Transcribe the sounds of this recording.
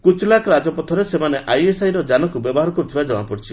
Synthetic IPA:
kut͡ʃʰɔlakʰɔɾad͡ʒɔpɔt̪ʰɔɾesemaneʔajesajɾɔd͡ʒanɔkubɔbɔɦaɾɔkɔɾut̪ʰibad͡ʒɔw̃apɔɾit͡ʃʰi

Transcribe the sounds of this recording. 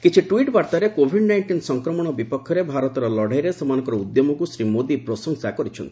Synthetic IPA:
kit͡ʃʰiʈwiʈbaɾt̪aɾekobʱiɖnajɳʈinsɔŋkɾɔmɔɽ̃ɔbipɔkʰːjɔɾebʱaɾɔt̪ɔɾɔlɔɽ̤ʱajɾesemanɔŋkɔɾɔud̪jɔmɔkusɾimod̪ipɾɔsɔŋsakɔɾit͡ʃʰɔnt̪i

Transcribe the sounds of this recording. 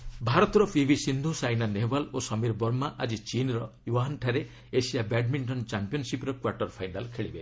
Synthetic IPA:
bʱaɾɔt̪ɔɾɔpʰibʱisind̪ʱusajnanebalosɔmiɾbɔɾmaʔad͡ʒit͡ʃinɾɔjuaɦɔnʈʰaɾe | esijabɛɖmiɳʈɔnt͡ʃampiɔnsipɾɔkwaɾʈɔɾpʰajnalkʰeɭibe

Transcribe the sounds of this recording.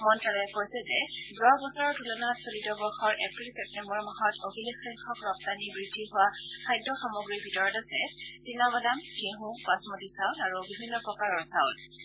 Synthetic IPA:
mɔnkɛlɛkoɹjsɛzɛ | zʊabɔsɔɹɔɹtʰulɔnatsolitɔbɔɹxɔɹʔepɹilsɛp̚tɛmbɔɹmaɦɔtobʱilekːɹiŋkʰɔkɹɔp̚tanibɹidʱːiɦʊwa | kʰajdːɔxamoɡɹibʱitɔɹɔtasɛ | sinabadamkeɦũpasmotisaʊlaɹubibʱinːɔpɹɔkaɹɔɹsaʊl

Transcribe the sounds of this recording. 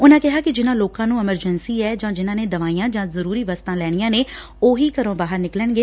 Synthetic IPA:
ʊnãːkɪɦaːkɪd͡ʒɪnãːloːkãːnũːɛməɾd͡ʒənsiːɛːd͡ʒãːd͡ʒɪnãːneːd̪əʋaːiːãːd͡ʒãːzəɾuːɾiːʋəst̪ãːlɛːɽ̃ijãːneː | oːɦiːkəɾõːbaːɦəɾnɪkləɳɡeː

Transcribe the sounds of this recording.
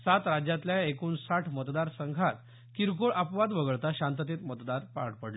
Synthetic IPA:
sat̪ɾad͡ʑjãt̪ljaekuːnsaʈʰmət̪d̪aɾsəŋɡʱat̪ | kiɾkoɭʔapʋad̪ʋəɡəɭt̪aɕãnt̪ət̪̬iːt̪mət̪d̪aɾpa̰ʈpəɽle

